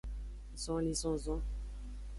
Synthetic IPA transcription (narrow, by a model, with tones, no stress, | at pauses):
zɔ̃˨˦lĩ˨zɔ̃˦zɔ̃˦